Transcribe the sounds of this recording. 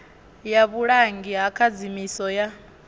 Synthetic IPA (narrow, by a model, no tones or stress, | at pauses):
jaβuɺaŋɡiɦakʰad͡zimisɔja